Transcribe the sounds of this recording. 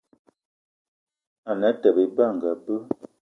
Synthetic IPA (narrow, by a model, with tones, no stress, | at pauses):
a˨na˨˦tə˨be˨ba˦˨ŋ̩˨ɡa˨bə˦